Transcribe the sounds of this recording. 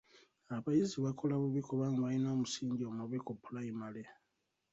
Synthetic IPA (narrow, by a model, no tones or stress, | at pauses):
aβajiziβakʰo̞laβuβikoβaŋɡaβalino̞ːmusiːɲɟomaβikopːulaimale